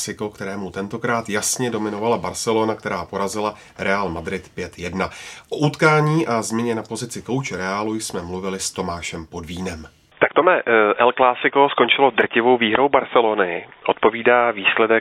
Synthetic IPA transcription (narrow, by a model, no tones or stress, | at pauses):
sɪko̞kt̪ɛɾɛːmut̪ɛnt̪o̞kɾaːt̪jasɲɛdo̞mɪno̞valabaɾsɛlo̞nak̚t̪ɛɾaːpo̞ɾazɪla | ɾɛaːlmad̪ɾɪt̪pjɛt̪jɛdnaʔo̞ʔut̪kaːɲiːʔazmɪɲɛnapo̞zɪt͡sɪko̞wt͡ʃɛɾɛaːlujsmɛmluvɪlɪst̪o̞maːʃɛmpo̞dviːnɛm | t̪akt̪omɛʔɛlklaːsɪko̞sko̞nt͡ʃɪlo̞d̪r̩cɪvo̞wviːɦɾowbaɾsɛlonɪʔot̪po̞viːdaːviːslɛdɛ